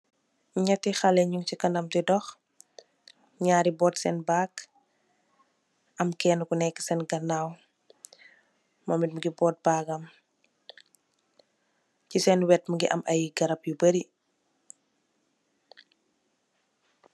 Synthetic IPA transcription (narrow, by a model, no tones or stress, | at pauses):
ɲɐtːixɐlɛɲuŋcikɐndɐmtɛdɔx | ɲaːɾibɔːtsɛnbaːk | ɐmkɛnkunɛkːə̥sɛnɡɐnːaːw | mɔːmit̚muɡibɔːt̚baːɡɐm | cisɛnwɛt̚muɡiʔɐmʔɐjɡɐɾɐpjubəɾi